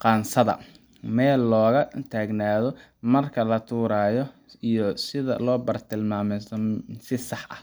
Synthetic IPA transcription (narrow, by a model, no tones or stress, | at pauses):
qɑːnsɐðɐ̰ | mɛːlːɔːɣɐt̪ʰaːɡnaːðɔ | mɐrkʰɐlɐt̪ʰuːɾaːjɔ | ijɔsɪðɐ̰lɔːbɐrt̪ʰɪlmaːmɛsɔsɪsɑħɐh